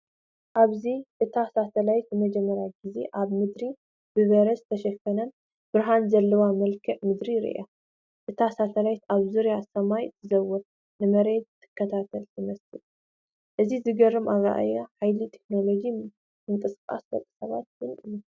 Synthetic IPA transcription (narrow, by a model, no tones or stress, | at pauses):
ʔaβziʔɨt̪ʰasat̪ʰɐlajt̪jɨmɐd͡ʒɛmːɐɾjaɡize̞ʔaβmɨd̪ɾi | bɨβɐɾɐst̪ʰɐʃɐkːɐnɐn | b̥ɨɾɦanzɐlːɐwamɐlkʰɐʔmɨd̪ɾiɾɨ̰ʔa̰ | ʔɨt̪ʰasat̪ʰɐlajt̪aβzuɾjasɐmajɨt̪ʰɨzɐwːɔt̪ | nɨmɐɾe̞d̪̚t̪ʰːɨ̥kʰːɐt̪ʰat̪ʰɐlt̪ʰɨmɐsɨl | ʔɨzizɨɡɐrːɨmaβa̰ʔa̰jaħajlit̪ʰeknolo̞d͡ʒi | mɨŋkʼɨskʼa̰sbɐ̰t̪ʼɨ̥sɐβat̪jɨnʔɨjːu